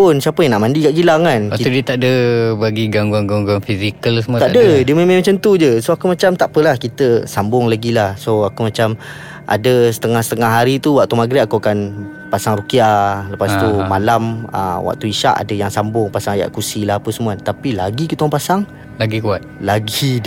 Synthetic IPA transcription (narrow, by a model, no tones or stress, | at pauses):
pʊnsiapəjaŋnaʔmãndikaʔɡilaŋanaiudiət̪aʔdəbaɡiɡaŋɡwaŋɡaŋɡwaŋfizikəlsəmuat̪aʔdədiəmemamat͡ʃant̪ud͡ʒəsoakumat͡ʃamt̪aʔpəlahkit̪əsambʊŋlaɡilahsoakumat͡ʃam | ʔa̰dəsə̥t̪əŋahsət̪əŋahɦaɾit̪uwaʔ̚t̪umaɡɾiakuakan | pasaŋɾukialəpast̪umalamə̰wa̰ʔ̚t̪uiʃa̰ʔa̰dəjaŋsambʊŋpasaŋaja̰ʔkusilahapəsəmuat̪apilaɡikit̪apasaŋ | laɡikuat̪̚laɡi